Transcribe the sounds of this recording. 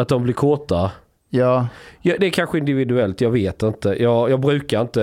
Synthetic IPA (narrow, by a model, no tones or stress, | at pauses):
at̪̚d̪ɔmblɪɾkʰoːt̪a | jjɑd̪ɛːɾkʰanɧəɪnd̪ɪvɪd̪ɵɛlt̪jɑːɡveːt̪ɪnt̪əjʔɑːɡjɑːɡbɾʉ̟ːkaɾɪnt̪ə